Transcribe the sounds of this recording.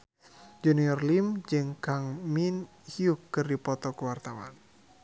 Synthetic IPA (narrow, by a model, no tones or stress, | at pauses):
d͡ʒuniɔrlimd͡ʒɨŋkaŋmin | hiukːɨrdipɔt̪ɔkəwart̪awa̰n